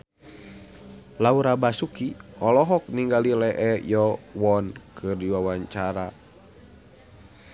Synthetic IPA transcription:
lauɾabasukiɔlɔɦɔk̚niŋɡalilɛʔɛjɔwɔnkʰɨrdiwawaɲt͡ʃaɾa

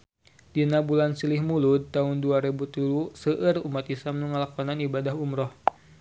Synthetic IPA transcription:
dinabulansilihmulud̪̚t̪aunduaɾibut̪ulusəʔərumat̪islamnuŋəlakɔnanibadaɦumɾɔh

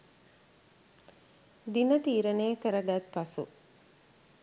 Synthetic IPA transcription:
d̪inət̪iːɾənejəkəɾəɡat̪̚pasṵ

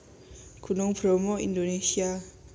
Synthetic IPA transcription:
kunuŋpɾomoḭndonesia

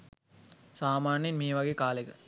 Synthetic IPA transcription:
saːmaːnjinmeːʋaɡeːkaːlekə

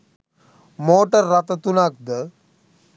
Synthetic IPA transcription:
moːʈərːat̪ət̪unak̚d̪ə

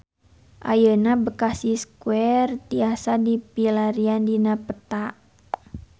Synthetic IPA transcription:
ʔa̰jənabəkasiskuɛrt̪iasadipilaɾiandinapət̪aʔ

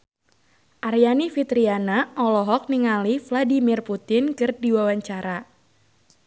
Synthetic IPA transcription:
ʔarjanifit̪ɾianaʔɔlɔɦɔk̚niŋalifladimirput̪ɪnkɨrdiwawaɲt͡ʃaɾa

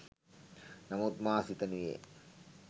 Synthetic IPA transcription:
namut̪̚maːsit̪əniḛ

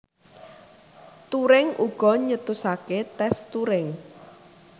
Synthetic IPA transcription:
t̪uɾɪŋʔuɡ̥ɔ̤ɲət̪usaket̪ɛst̪uɾɪŋ

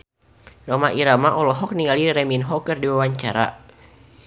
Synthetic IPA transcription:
ramaʔiɾamaʔɔlɔɦɔk̚niŋaliɾɛminɦɔkərdiwawaɲt͡ʃaɾa̰

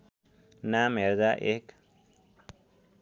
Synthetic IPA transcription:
nameɾd̪aʔek

